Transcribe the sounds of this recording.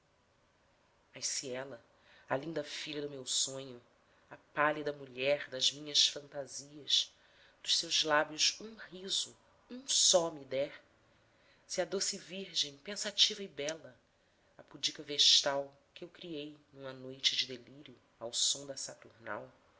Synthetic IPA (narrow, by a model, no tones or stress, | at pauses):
mɐʃsiɛlɐ | ɐlĩnd̪ɐfiʎɐd̪ʊmewsõɲʊ | ɐpalid̪ɐmuʎɛɾd̪ɐzmĩɲɐsfɐ̃nt̪aziɐʃ | d̪̥ʊʃsewzlabjʊzũhizʊ | ũsɔmid̪ɛɾ | siɐd̪osɪviɾʒẽj̃pẽsat͡ʃivɐibɛlɐ | ɐpud͡ʒikɐveʃt̪aw | kɪewkɾiejnũmɐnojt͡ʃɪd͡ʒɪd̪eliɾjʊ | awsõd̪ɐsat̪uɾna̰w